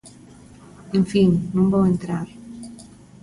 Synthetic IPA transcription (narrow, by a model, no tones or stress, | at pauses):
ẽɱfiŋnũmbowent̪ɾaɾ